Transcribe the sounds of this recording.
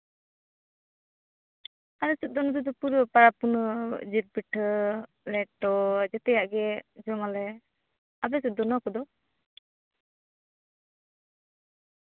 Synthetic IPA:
aɾɛsut̪̚d̪ɔnɔt̪ud̪ɔpuɾpaɾapunɔd͡ʒiɾ̚piʈʰ | lɛʈːɔd͡ʒɔt̪ɛjaʔɡɛd͡ʒɔŋalɛ | abɛsut̪̚d̪ɔnɔkɔd̪ɔ

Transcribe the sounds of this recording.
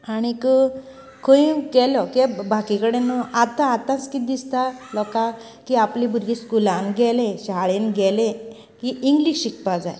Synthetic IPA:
aɽ̃ikə | kə̃ikɛlɔkibakikəɽenat̪ãːt̪ãt͡skid̪ist̪alɔka | kiaplibʱuɾɡiskulãnɡʱɛlẽɕaɭenɡʱɛlẽ | kiʔiŋɡliɕikʰpad͡zaj

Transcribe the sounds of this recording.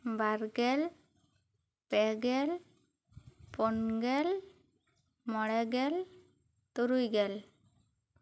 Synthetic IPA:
bʱaɾɡɛl | pɛɡɛl | pɔnɡɛl | mɔɽɛɡɛl | t̪uɾujɡɛl

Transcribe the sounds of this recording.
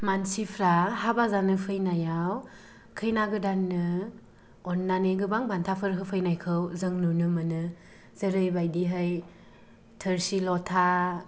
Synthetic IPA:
mansipʰɾahabazanɯpʰɯjnajaw | kʰɯjnaɡɯdanːɯ | ɔnːanɯɡɯbaŋbantʰapʰɯɾɦɯpʰɯjnajkʰɯwzɯŋnunɯmɯnɯ | z̥ɯɾɯjbajdiɦɯj | tʰɯɾsilɔtʰa

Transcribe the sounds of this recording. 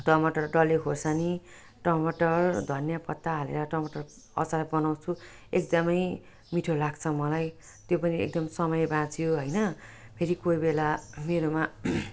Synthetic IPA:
ʈʌmʌʈʌrɖʌlekʰosani | ʈʌmʌʈʌrd̪ʱʌnjapʌt̪ːaɦalḛɾʌʈʌmʌʈʌr | ʌ̰t͡saɾabʌnaw̃t͡sʰu | ekd̪ʌmʌj | miʈʰolaɡt͡sʰʌmʌlaj | t̪jopʌniḛk̚d̪ʌmsʌmʌjbãt͡sʰijoɦʌjnʌpʰeɾikojbelameɾoma

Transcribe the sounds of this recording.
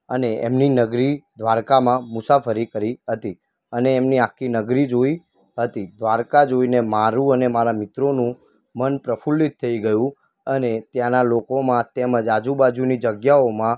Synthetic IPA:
əneḛmninəɡɾid̪ʱʋaɾkamãmʊsafəɾikəɾiɦət̪i | əneːmniãkʰinəɡɾid͡ʒoi | ɦət̪id̪ʱʋaɾkad͡ʒoinemaɾũənemaɾamɪt̪ɾonũ | mənpɾəfulːit̪ʰːəiɡəjũ | ənet̪janalokomãt̪eməd͡ʒad͡ʒubad͡ʒunid͡ʒəɡjaomã

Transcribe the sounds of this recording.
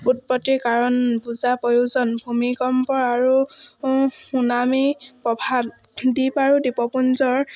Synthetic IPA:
ut̚pɔtiɹkaɹɔnbuzapɔjuzɔnbʱumikɔmpɔɹaɹu | xunamipɹɔbʱabdipaɹudipɔpunzɔɹ

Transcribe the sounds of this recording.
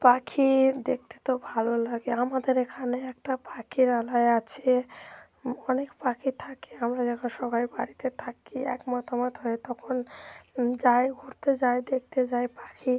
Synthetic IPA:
pakʰid̪ek̚t̪e̥t̪obʱalolaɡeamad̪eɾekʰaneɛk̚ʈapakʰiɾalaeat͡ɕʰe | ɔnekpakʰit̪ʰakeamɾad͡ʑɛkʰonʃɔbaibaɽit̪et̪ʰakːiɛ̰kmat̪ʰamat̪ɦɔet̪ɔkʰon | d͡ʑaeɡʱuɾt̪ed͡ʑaed̪ek̚ʰt̪ed͡ʑaepakʰi

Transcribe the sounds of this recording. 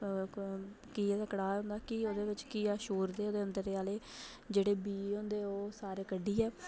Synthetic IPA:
kiːɛːd̪aːkəɽaːɦʊ̃nd̪aːkɪoːd̪eːʋɪt͡ʃkiːaːʃuːɾd̪eːoːd̪eːənd̪əɾeːaːleː | d͡ʒeːɽeːbiːɦõnd̪eːoːsaːɾeːkəɖːiːɛː

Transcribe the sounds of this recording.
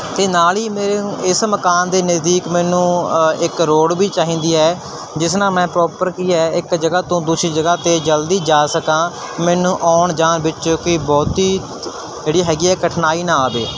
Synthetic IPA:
t̪eːnaːliːmeːɾeɪsməkaːnd̪eːnəzd̪iːkmɛːnũːɪkɾoːɽbiːt͡ʃaːɦĩːnd̪iːɛː | d͡ʒɪsnãːmɛ̃ːpɾɔːpəɾkiːɛːɪkd͡ʒəɡaːt̪õːd̪uːsɾiːd͡ʒəɡaːt̪eːd͡ʒəld̪iːd͡ʒaːsəkãː | mɛːnũːʔaːɳd͡ʒaːnbɪt͡ʃoːkɪbɔːt̪iː | d͡ʒeːɽiːɦɛːɡiːɛːkəʈʰnaːiːnãːaːbḛː

